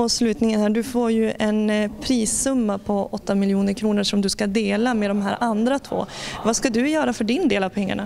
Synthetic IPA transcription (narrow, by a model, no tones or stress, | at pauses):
ɔslʉ̟ːt̪nɪŋənhæːɖɵfoːɾjɵʔɛnpʰɾiːsːɵmːapʰɔɔt̪ːamɪljuːnəɾkʰɾuːnəʂɔmd̪ɵskad̪eːlameːd̪ɔmɦæ̰ːɾʔand̪ɾat̪ʰvo̰ːvaskad̪ɵjœːɾafœɖɪnd̪eːlavpʰɛŋːa̰ɳa̰